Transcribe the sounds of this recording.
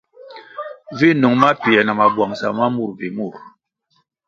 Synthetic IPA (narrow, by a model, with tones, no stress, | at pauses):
vi˦˨nu˨ŋma˦pi˨ɛ˨na˨ma˨bwa˨ŋsa˨ma˦mu˦˨ɾvi˨mu˦˨ɾ